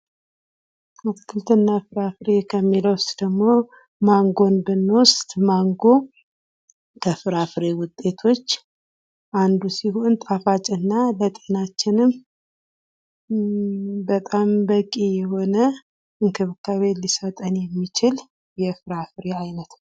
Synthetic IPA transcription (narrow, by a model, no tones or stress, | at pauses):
at̪kʰɨlt̪ʰɨnːafɨɾafɨɾekʰəmːiləwst̪ʼd̪əɡmo̞ | maŋɡo̞nbɨnːost̪ʼmaŋɡo̞ | kʰəfɨɾafɨɾewʊt̪ʼːe̞t̪ʰo̞t͡ʃː | ʔand̪usiɦo̞nt̪ʼafat͡ʃʼɨnːalət̪ʼenat͡ʃːɪnɨm | bət̪ʼambəkʼːijɛho̞nə | ɨŋkʰɨβkʰaβe̞lisət̪ʼənjɛmːit͡ʃɪl | jɛfɨɾafɾeajnət̪